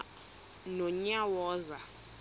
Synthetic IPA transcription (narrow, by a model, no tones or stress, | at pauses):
nɔɲawɔːza